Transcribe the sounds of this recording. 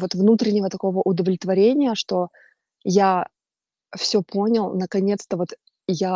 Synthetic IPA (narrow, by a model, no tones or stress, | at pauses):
vo̞t̪vnut̪ɾʲɪnʲɪvət̪ɐko̞vəʔʊd̪əvlʲɪt̪vɐɾʲenʲɪjəʂt̪o̞ | ja | fsʲɵpo̞nʲɪlˠnəkɐnʲe̞t̪st̪əvo̞t̪ | ja